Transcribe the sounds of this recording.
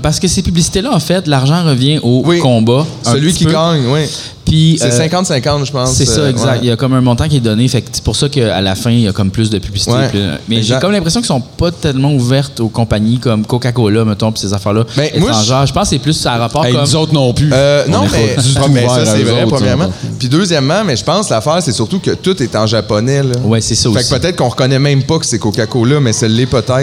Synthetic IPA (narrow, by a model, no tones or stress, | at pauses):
paʁsə̥kəsepyblisi̥t̪elɐʌɑ̃fɛt̪laʁʒɑ̃ʁəvjɛ̃ʔowikɔ̃basəlɥiiiɡaɲwɛ | pʰɥisɛsɛ̃kɑ̃t̪sɛ̃kɑ̃t̪ʒəpɑ̃ssɛsʌɛɡzak̚t̪jɐkɔmɛ̃mɔ̃t̪ɑ̃k̬ʲiɛd̪ɔnefɛkse̥puʁsʌkəa̰lafɛ̃ijɐkɔmplʏs̬d̪əpyblʲisitḛmɛʒekɔmlɛ̃pʁesjɔ̃kʲisɔ̃pʌt̪ɛlmɑ̃uvɛʁt̪okɔ̃paɲikɔmkokakɔlʌmət̪ɔ̃pi̥sezafɛːʁlʌbɛ̃emwaɑ̃ʒaːʁʒəpɑ̃ssɛplʏsaʁapɑːʁkkɔmzot̪nɔ̃plynɔ̃mmsɛvʁɛpʁəmjɛːʁmãpid̪øːzjɛmːãmɛʒəpɑ̃slafæːʁsɛsyʁt̪ukət̪ʊt̪ɛt̪ɑ̃ʒapɔnɛlɔwɛsɛsʌofaksipət̪ɛt̪̚kɔ̃ʁəkɔnɛmɛ̃mpʌkə̥sɛkokʲakolɐmɛsəlːɛpət̪ɛ